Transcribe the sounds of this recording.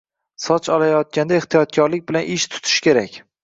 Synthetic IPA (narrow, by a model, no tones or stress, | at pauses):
sɒt͡ʃʰɒlajɒt̪̚kʲand̪aeht̪ʰijɒt̪̚kʲʰɒɾlɪk̚ʲbɪlanʔɪʃt̪ʰʊ̥t̪ʰɪ̥ʃkʲe̞ɾakʲ